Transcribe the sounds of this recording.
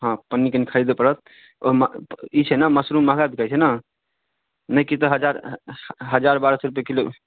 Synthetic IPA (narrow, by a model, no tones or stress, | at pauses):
ɦãpənːikenikʰəɾid̪epəɾət̪̚ | omit͡ʃʰɛnaməsɾumːəɦɡab̪ikajt͡ʃʰɛna | nəkit̪ɔɦəd͡ʒaɾ | ɦəd͡ʒaɾbaɾəsɾup̬jekilo